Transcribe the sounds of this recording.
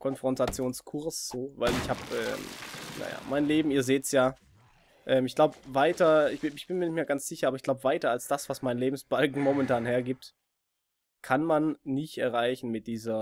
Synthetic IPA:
kʰɔnfʁ̥ɔntat͡sjoːnskʰʊɐsz̥oːvaɪlɪçhaːpʔɛ̰ːmna̰ja̰ːmaɪnleːbm̩iːɐzeːtsjaː | ʔɛːmɪçɡ̥laʊbəvaɪtɐɪçb̥ɪɪçb̥ɪnmiːɐnɪçtmeɐɡant͡sz̥ɪçɐʔabɐɪçɡ̥laʊbəvaɪtɐalsd̥asv̥asmaɪnleːbm̩sb̥alkŋ̩mɔmɛntʰaːnɦeːɐɡiːp̚t | kʰanmanːɪçtʔɛɐʁaɪçn̩mɪt̚d̥iːzɐ

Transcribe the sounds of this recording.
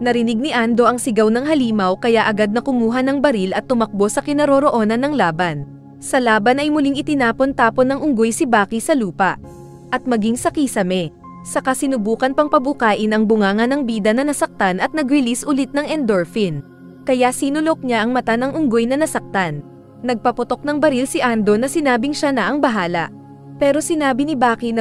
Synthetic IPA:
nɐɾɪnɪɡ̚nɪʔand̪o̞ʔɐŋsɪɡawnɐŋɦɐliːmɐwkɐjaʔɐɡad̪̚nɐkʊmuːɦɐnɐŋbɐɾilɐt̪ːʊmɐk̚bo̞sɐkɪnɐɾoɾoʔo̞ːnɐnɐŋlaːbɐn | sɐlaːbɐnɐjmʊliŋʔɪt̪ɪnaːpo̞nt̪aːpo̞nɐŋʔʊŋɡojsɪbaːkisɐluːpɐʔ | ʔɐt̪̚mɐɡiŋsɐkisɐmɛ | sɐkɐsɪnʊbuːkɐnpɐŋpɐbʊkaːʔɪnɐŋbʊŋaːŋɐnɐŋbiːd̪ɐnɐnɐsɐk̚t̪anʔɐt̪̚nɐɡɾɪlisʔʊlɪt̪̚nɐŋʔɛnd̪oɹfin | kɐjasiːnʊlok̚ɲaʔɐŋmɐt̪anɐŋʔʊŋɡojnɐnɐsɐk̚t̪anː | ɐɡ̚pɐpʊt̪o̞k̚nɐŋbɐɾilsɪʔand̪o̞nɐsɪnaːbɪŋʃanɐʔɐŋbɐɦaːlɐ̰ʔ | pɛːɾo̞sɪnaːbinɪbaːkinɐ

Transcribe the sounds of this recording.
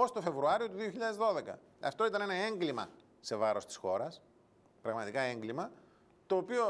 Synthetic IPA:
o̞st̪ofe̞vɾuɐɾio̞t̪uðio̞çiʎɐðe̞zðo̞ðe̞kɐ̰ | ɐ̰ft̪o̞it̪ɐne̞nɐe̞ŋɡlimɐ̰ | se̞vɐɾo̞st̪i̥sxo̞ɾɐs | pɾɐɣmɐt̪ikɐe̞ŋɡlimɐ | t̪o̞ːpio̞

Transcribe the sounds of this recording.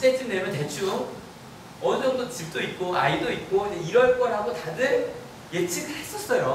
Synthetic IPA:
s͈et͡ɕ͈ʰindemjʌnte̞t͡ɕʰuɯŋ | ʌnɯd͡ʑʌŋdot͡ɕip̚t͈oit̚k͈oaidoit̚k͈oid͡ʑeiɾʌɭk͈ʌɭɦaɡotadɯɾ | jet͡ɕʰiɡɯɭhhe̞s͈ʌs͈ʌjo

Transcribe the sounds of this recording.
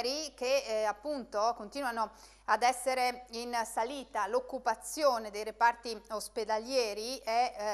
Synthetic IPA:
ɾik̟eapːunt̪okont̪iːnwano | ad̪ɛsːeɾeinsaliːt̪alokːupat̪sːjoːned̪ejɾepart̪iosped̪aljɛːɾiɛ

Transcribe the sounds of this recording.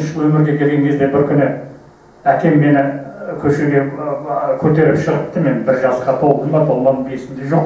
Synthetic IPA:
nʃʃʒəlˠwɵmɪɾɡʲe̞kʲʰe̞lɡʲeŋʲezd̪e̞bɪɾkʲʰʏnɪ | ækʲe̞mːe̞nɪkʲʰɵʃe̞ɡʲe̞ | kʲʰɵɾt̪e̞ɾɪpʃəʁəp̚t̪əme̞nbɪɾʒɑzqɑt̪ʰo̞wʁəmbɑt̪ʰolˠmonəbesɪnd̪eʒo̞q

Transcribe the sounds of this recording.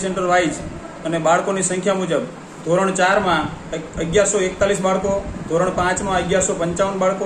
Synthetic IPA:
seɳʈəɾʋajd͡ʒ | ənebaɭkonisə̃ŋkʰjamud͡ʒəb | d̪ʱoɾəɳ̃t͡ʃaɾmãəɡjaɾsoek̚t̪alisbaɭkod̪ʱoɾəɳ̃pãt͡ʃmãəɡjaɾsopəɲt͡ʃaʋənbaɭko

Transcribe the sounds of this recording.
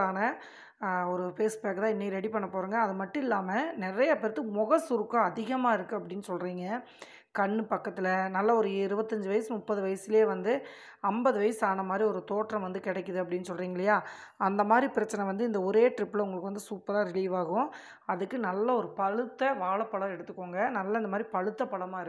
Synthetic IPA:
aːnɐ | ɔɾɯfeːsbaːkɯt̪ãːɪnːɛkːɪɾɛɽipɐɳːɐpoːɾuːŋɡɐːðɯmɐʈːʊ̃ɪlːaːmɐnɪɾɐjɐpɛɾɐt̪ːɯmɔɣɐsʊɾɯkːãɐðɪɣɐmaːɪɾɯkːɯɐp̬ːɐɽɪnːɯsɔlriːŋɡɐ | kɐɳːɯpɐkːɐt̪ːɪlɐnɐlːɐɔɾɯɪɾɯbɐt̪ːɐɲd͡ʒɯʋɐjɐsmʊpːɐðɯʋɐjɐsɪleːʋɐnd̪ɯ | ɐmbɐðɯʋɐjɐsaːnɐmaːd̪ɾiɔɾɯt̪oːʈrɐmʋɐnd̪ɯkɪɽɛkːɯðɯɐpːɐɽɪnːɯsɔlɾiːŋɡɐɭɐjaː | ɐnd̪ɐmaːd̪ɾipɪɾɐt͡ʃːɐnɛ̃ʋɐnd̪ɯɪnd̪ɐɔɾeːʈɾɪpːɯlɐʊŋɡɐɭɯkːɯʋɐnd̪ɯsuːpːɐɾaːɾɪliːʋaːɣʊ̃ | ɐðɯkːɯnɐlːɐɔɾɯpɐɻɯt̪ːɐʋaːɭɐpːɐɭɐɾɛɽɯt̪ːɯkːoːŋɡɐnɐlːɐnd̪ɐmaːd̪ɾipɐɻɯt̪ːɐpːɐɭɐmaːɪɾɯ

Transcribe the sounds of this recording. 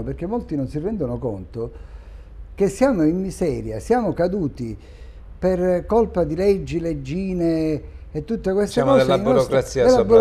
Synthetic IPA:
perk̟ːemːolt̪inonsirːɛnd̪onokont̪o | k̟esːjaːmoimːizɛːɾja̰sjaːmokad̪uːt̪i | perkolpad̪iled͡ʒːiled͡ʒːiːneet̪ːut̪ːekwest̪eakɔːeslːinɔɾokɾasiːelːabu

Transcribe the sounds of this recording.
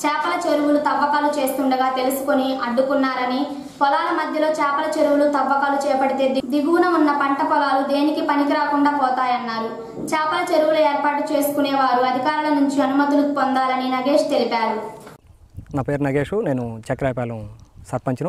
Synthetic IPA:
t͡ʃɛːpɐlɐt͡ʃe̞ɾuwulut̪ɐbːɐkaːlut͡ʃe̞ːst̪uɳɖɐɡaːt̪e̞lusu̥koniɐɖːukunːaːɾɐni | pɔlaːlɐmɐd̪ʱjɐlo̞ːt͡ʃɛːpɐlɐt͡ʃe̞ɾuwulut̪ɐbːɐkaːlut͡ʃɛːjɐpɐɽit̪e̞ːd̪id̪iɡuːnɐmunːɐpɐɳʈɐpɔlaːlud̪e̞ːnikipɐnikiɾaːkuɳɖaːpɔːt̪aːjɐnːaːɾu | t͡ʃɛːpɐlɐt͡ʃe̞ɾuwulɐeːɾpaːʈut͡ʃe̞ːsu̥kuneːʋaːɾuɐd̪ʱikaːɾulɐnuɲt͡ʃiɐnumɐt̪ulupɔnd̪aːlɐninɐɡe̞ːʂt̪e̞lipaːɾu | naːpeːɾnɐɡeːʂuneːnut͡ʃɛkːɐɾaːpaːlɐsɐɾpɐɲt͡ʃɐnɐ

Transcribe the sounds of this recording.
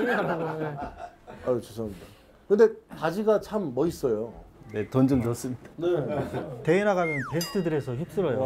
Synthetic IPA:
e | at͡ɕʰosʰʌamːida | kɯnde̞tad͡ʑiɡat͡ɕʰamːʌis͈ʌjone̞tond͡ʑɯŋt͡ɕʌs͈ɯmɲid̥ḁnete̞inaɡamjʌnpes̬tʰɯdɯɾe̞sʰʌçip̚s͈ɯɾʌjo

